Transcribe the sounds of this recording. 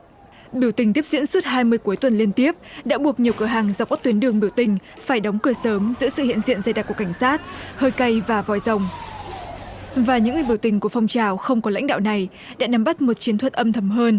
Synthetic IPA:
ɓi˧˩əwt̪ï˨˩ŋ̟t̪i˦˥əp̚zḭ˧˥ənsu˦˥t̚haː˧jmɨ˧əjku˨˦əjt̪wə˨˩nli˧ənt̪i˦˥əp̚ɗa̰ː˧˥ɓu˨˩ək̚ɲi˨˩əwkɨ˧˩əɦaː˨˩ŋza˨˩wk͡pkːk̚t̪wənɗɨ˨˩əŋɓi˧˩əwt̪ï˨˩ŋ̟faː˧˩jɗɔ˨˦wŋ͡mkɨ˧˩əsəː˨˦mzɨ̰˧˥əsɨ̰˧˨hḭ˧˨ənzḭ˧˨ənzaː˧jɗa˨˩kka˧˩jŋ̟saː˦˥t̚həː˧jkə˧jvaː˨˩vɔ̰˨˩jzə˨˩wŋ͡m | vaː˨˩ɲɨ̰˧˥ŋːɨ˨˩ɓəwt̪ï˨˩ŋ̟ku˧˩əfɔ˧wŋ͡mt͡ɕaː˨˩wxə˧wŋ͡mkɔ˨˦la̰˧˥jŋ̟ɗa̰ː˧˨wna˨˩j | ɗa̰ː˧˥na˨˧˩mɓa˦˥t̚mo˨˩t̚t͡ɕi˨˦ət̪ʰwə˨˩t̚ʔə˧mt̪ʰə˧˩mɦəː˧n

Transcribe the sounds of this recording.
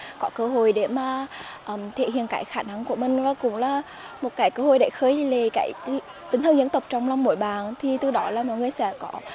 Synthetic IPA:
kɔ˨˦kəː˧ɦo˧˨jɗe˧˩maː˨˩ʔəː˧˩mt̪ʰḛ˧˨hḭ˧˨ənka̰ː˧˩˦jxaː˧˩na˧ŋku˧˩əmï˨˩ŋ̟vaː˨˩kʊ̰˧˥wŋ͡mlaː˨˩ | mo˨˩t̚kaː˨˦jkəː˧ho̰˧˨jɗe˧˩xəː˨˦jle˨˩ka̰ː˧˩˦j | t̪ï˨˩ŋ̟t̪ʰə˧nzə˧˦nt̪ə˨˩wk͡p̚t͡ɕɔ˧wŋ͡mla˧wŋ͡mmo̰˧˥jɓaː˨˩nt̪ʰi˨˩t̪ɨ˧˩ɗɔ˨˦laː˨˩mɔ̰ː˧˨jŋ˨˧˩əjsɛ̰˧˥kɔ˧˦

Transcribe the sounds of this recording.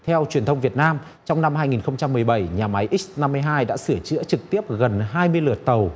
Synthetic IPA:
t̪ʰɛ˧wt͡ɕwi˨ənt̪ə˧wŋ͡mvi˨˩ət̚naː˧m | t͡ɕɔ˧wŋ͡mna˧mɦaː˧jŋi˨˩nxə˧wŋ͡mt͡ɕa˧mːɨ˨˩əjɓa˧˩jɲaː˨˩ma˨˦jʔi˦˥na˧mːɨ˧jɦaː˧jɗa̰ː˧˥sɨ˧˩ət͡ɕɨ̰˧˥ət͡ɕɨ˨˩k̚t̪i˦˥əp̚ɣə˨˩nɦaː˧jmɨ˧əjlɨ˨˩ət̚t̪ə˨˩w

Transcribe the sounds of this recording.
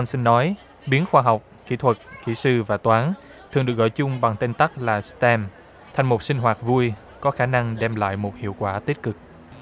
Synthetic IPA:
ʔa˧nsi˧ŋ̟nːɔ˨˦j | ɓi˨˦ənxwaː˧ɦa˨˩wk͡p̚kḭ˧˥t̪ʰwə˨˩t̚kḭ˧˩sɨ˧vaː˨˩t̪waː˨˦n | t̪ʰɨ˨˩əŋɗɨ˨˩ək̚ɣɔ̰˧˨jt͡ɕʊ˧ŋ͡mɓa˨˩ŋt̪e˧nt̪a˦˥k̚laː˨˩st̪ɛ˧m | t̪ʰa˨˩jŋ̟mo˨˩t̚sï˧ŋ̟ɦwaː˨˩t̚vu˧əj | kɔ˨˦xaː˧˩na˧ŋɗɛ˧mla̰ː˧˨jmo˨˩t̚hḭ˧˨əwkwaː˧˩t̪i˦˥t̚kɨ˨˩k̚

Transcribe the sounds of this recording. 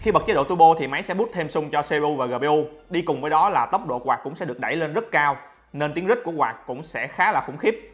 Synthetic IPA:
xi˧ɓə˨˩t͡ɕ̚ːɗo̰˧˨t̪u˧ɓo˧t̪ʰi˨˩ma˨˦jsɛ̰˧˥ɓu˦˥t̚t̪ʰe˧msʊ˧ŋ͡mt͡ɕɔ˧se˧ʔu˧vaː˨˩ɣəː˨˩ɓe˧ʔu˧ɗi˧kʊ˨˩ŋ͡mvəː˨˦jɗɔ˨˦laː˨˩t̪ə˦˥wk͡p̚ɗo̰˧˨kwaː˨˩k̚kʊ̰˧˥ŋ͡msɛ̰˧˥ɗək̚ɗa˧˩jle˧nzə˦˥t̚kaː˧w | ne˧nt̪i˨˦əŋzï˦˥k̚ku˧˩əkwaː˨˩k̚kʊ̰˧˥ŋ͡msɛ̰˧˥xaː˨˦laː˨˩xʊ̰˧˩ŋ͡mxi˦˥p̚

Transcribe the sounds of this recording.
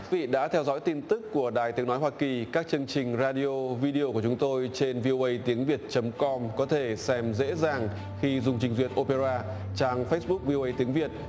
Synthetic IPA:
vḭ˧˨ɗa̰ː˧˥t̪ʰɛ˧wzɔ̰˧˥jt̪i˧nt̪ɨ˦˥kːu˧˩əɗaː˨˩jt̪i˨˦əŋnɔ˨˦jɦwaː˧ki˨˩kaː˦˥k̚t͡ɕɨ˧əŋt͡ɕï˨˩ŋ̟zaː˧ɗi˧o˧vi˧ɗi˧o˧ku˧˩ət͡ɕʊ˨˦ŋ͡mt̪o˧jt͡ɕe˧nvi˧ʔo˧ʔə˧jt̪i˨˦əŋvi˨˩ət̚t͡ɕə˨˦mkɔ˧mkɔ˨˦t̪ʰe˧˩sɛ˧mzḛ˧˥zaː˨˩ŋ | xi˧zʊ˨˧ŋ͡mt͡ɕï̟˨˩zwi˨˩ət̚ʔo˧pe˧zaː˧ | t͡ɕaː˧˩ŋfə˦˥t̚ɓʊ˦˥k̚vi˧o˧ʔə˧jt̪i˨˦əŋvi˨˩ət̚

